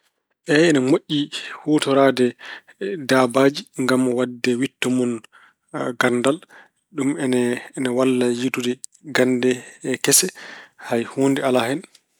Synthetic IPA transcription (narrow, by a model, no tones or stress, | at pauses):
ʔɛɛnɛmoʔʲːihoːtɔɾaːdɛ | daːbaːd͡ʒiŋɡamːɔwadːɛwitːɔmɔn | ɡandal | ɗumɛnːnawalːajitudɛɡandɛkɛsɛhajhoːndɛalahɛn